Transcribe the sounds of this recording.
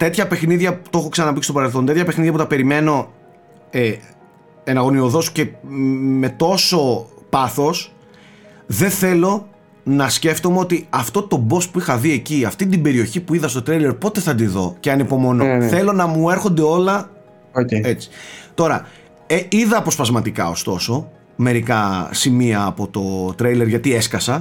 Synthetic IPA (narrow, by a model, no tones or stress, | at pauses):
t̪e̞t̪çɐpe̞xniðʝɐut̪o̞xoksɐnɐpist̪oɐɾelθont̪et̪çɐpexniðʝɐput̪ɐpe̞ɾime̞no̞ | e | enɐɣo̞nio̞ðo̞sce̞me̞t̪o̞so̞pɐθo̞s | ðe̞θe̞lo̞ | nɐsce̞ft̪o̞meo̞t̪iɐft̪o̞t̪o̞bo̞spuixɐðie̞ciɐft̪id̪ibe̞ɾio̞çipuiðɐst̪o̞t̪ɾejle̞ɾpo̞t̪e̞θɐd̪iðo̞ceɐnipo̞mo̞noθe̞lonɐmue̞ɾxo̞nd̪e̞o̞lɐ | e̞t͡si̥t̪o̞ɾɐ | eiðɐːpo̞spɐzmɐt̪ikɐ̰ost̪o̞so̞ | me̞ɾikɐsimiɐːpo̞t̪o̞t̪ɾejle̞ɾʝɐt̪ie̞skɐsɐ